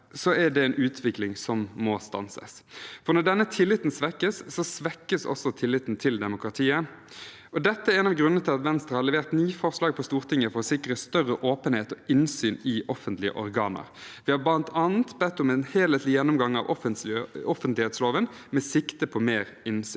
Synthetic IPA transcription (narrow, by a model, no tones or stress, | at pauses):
sɔɛɖɛɛnʔʉːt̪ʰʋɪklɪŋsɔmːɔst̪ɑ̰nsə̰sfɔʁnɔɖ̪ɛnːət̪ʰɪlːɪt̪nsʋɛkːəsːɔsʋɛkːəsɔ̰sːɔt̪ʰɪlːɪt̪n̩t̪ʰɪld̪ɛmʊkʁɑt̪ʰiːə | ʔɔd̪ɛt̪ːəɛɾɛːnɑʋɡɾʉnənət̪ʰɪlɑt̪ʋɛnst̪ʁəhɑɾlɛʋeːʁt̪nyːfɔʁslɑːɡ̚pʰɔst̪uːʁt̪ʰɪŋːəfɔʁɔsɪkːɾəst̪œʁəʔoːpənheːt̪ɔɪnsyːnɪʔɔfənt̪lɪə̰ʔɔɾɡɑːnə̰ʁʋɪhɑblɑnt̪ʰɑːn̩t̪bɛt̪ːʊmɛnheːlɛt̪lɪjɛnːʊmɡɑŋːɑ̰ʋɔfəɔfənt̪lɪheːt̪sloːʋən | mɛsɪkt̪əpʰɔmeːɾ | ɪnsyːn